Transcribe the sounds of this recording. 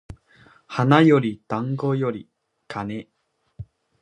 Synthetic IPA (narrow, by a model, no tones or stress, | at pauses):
hanajoɾʲit̪ãŋɡojoɾʲi | kʰane